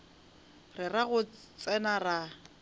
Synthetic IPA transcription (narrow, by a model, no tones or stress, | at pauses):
rɪraɣʊ | t͡sʼɛnara